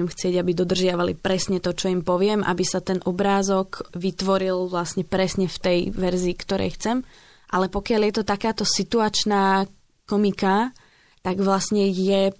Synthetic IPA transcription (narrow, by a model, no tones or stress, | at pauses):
ɛmxt͡sɪɛɟabid̪ɔd̪r̩ʒɪaʋalḭpɾɛsɲɛt̪ɔt͡ʃɔimpɔʋɪɛmʔa̰bisat̪ɛnʔɔbɾaːzɔkʋit̪ʋɔɾilʋlasɲɛpɾɛsɲɛft̪ɛjʋɛɾziːkt̪ɔɾʔɛ̰jxt͡sɛm | ʔalɛpɔkɪaljɛt̪ɔt̪akaːt̪ɔsit̪uat͡ʃnaː | kɔmika | t̪aɡʋlasɲɛjɛ